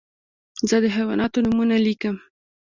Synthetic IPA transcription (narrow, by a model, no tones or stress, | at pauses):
zəd̪əɦawɑ̰nʔɑt̪onumunalikəm